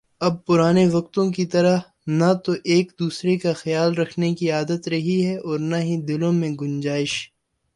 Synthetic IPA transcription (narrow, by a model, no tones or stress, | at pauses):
ɐb̚pʊɾaːneʋɐq̚t̪õk̬it̪ɐɾə | nat̪oʔeːkd̪uːsɾekaxɐjaːlɾɐkʰnekiaːd̪ət̪ɾɐɦiɦɛɔːɾnɐɦid̪ɪlõmẽɡʊnd͡ʒaːɪʃ